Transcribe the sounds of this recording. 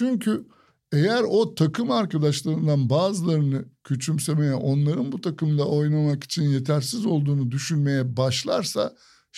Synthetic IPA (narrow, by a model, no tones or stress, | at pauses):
t͡ʃʰyɲcʰy | e̞jæɾo̞t̪ʰakʰɯmaɾkʰad̪aʃlˠaɾɯnd̪anbaːzɯlˠaɾɯnɯcʰøt͡ʃʰymse̞me̞jɛʔo̞nlˠaɾɯnbut̪ʰakɯmd̪aʔo̞jnamaki̥t͡ʃʰinje̞t̪ʰæɾsizo̞lˠd̪uːnud̪yʃynme̞jɛbaʃlˠa̰ɾsa̰